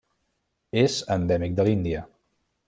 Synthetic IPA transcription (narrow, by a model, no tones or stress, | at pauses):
ezənd̪ɛmik̚d̪əlind̪iə